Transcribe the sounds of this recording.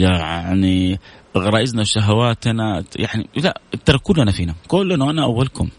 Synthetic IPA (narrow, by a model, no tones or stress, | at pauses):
jaʕʕniɣɾˤɑːʔɪznaʃaɦawaːt̪ʔanajaʕnḭlat̪ːɑɾˤɑkːuːlʔanafiːnakʊlːanuʔanaʔawːalkʊm